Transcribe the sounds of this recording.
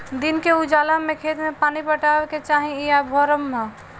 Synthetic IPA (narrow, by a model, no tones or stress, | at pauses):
d̪inkeud͡ʒalamekʰet̪mepanipəʈabeket͡ʃaɦĩijabʱɔɾəmːe